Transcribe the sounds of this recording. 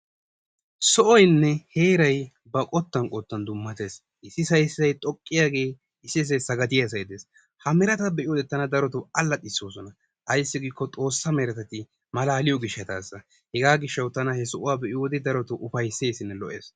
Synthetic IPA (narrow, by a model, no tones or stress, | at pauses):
sɔʔɔjnːɛhe̞ːɾɐj | bɐkʼɔt̪ːɐnkʼɔt̪ːɐnd̪ʊmːɐt̪e̞ːs | ʔɪsːɪsɐjszɐjt̪ʼɔkʼːɪjaːɡe̞ː | ɪsːɪs̬ɛsɐɡɐt̪ɪjɐs̬ɐjd̪e̞ːs | hɐmɛɾɐt̪ɐbɛʔɪjɔd̪ɛt̪ːɐnɐd̪ɐɾɔt̪ʊɐlːɐt̪ʼɪsːoːsɔnɐ | ʔɐjsːɪɡiːkːɔt̪ʼo̞ːsːɐmɛɾɐt̪ɐt̪ɪ | mɐlaːlɪjɔɡɪʃːɛt̪aːsːɐ | hɛɡaːɡɪʃːɐwt̪ɐnɐhɛsɔʔʊwaːbɛʔɪjoːd̪ɪd̪ɐɾɔt̪ʊʔʊfɐjsːe̞ːsɪnːɛlɔʔe̞̰ːs